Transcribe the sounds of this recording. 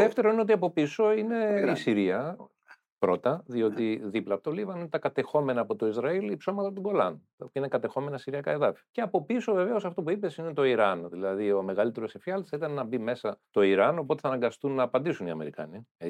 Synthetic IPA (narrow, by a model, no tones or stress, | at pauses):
ðe̞ft̪e̞ɾo̞ineot̪iɐpo̞piso̞ine̞isiɾiɐ | pɾo̞t̪ɐðio̞t̪iðiplɐːpot̪olivɐninet̪ɐkɐt̪e̞xo̞me̞nɐːpo̞t̪o̞izɾɐilipso̞mɐt̪ɐt̪uɡo̞lɐn | inekɐt̪e̞xo̞me̞nɐsiɾiɐkɐeðɐfiɐceɐpo̞pisove̞ve̞o̞sɐft̪o̞puipe̞sine̞t̪o̞iɾɐnðilɐðio̞me̞ɣɐlit̪e̞ɾo̞sifiɐlt̪isθɐit̪ɐnnɐbime̞sɐt̪o̞iɾɐno̞po̞t̪e̞θɐnɐŋɡɐst̪unːɐːpɐnd̪isuniɐ̰me̞̰ɾikɐ̰ni